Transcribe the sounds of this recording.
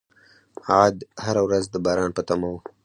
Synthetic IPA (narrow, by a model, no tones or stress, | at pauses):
ad̪haɾawɾazd̪əbɑɾɑnpət̪amawu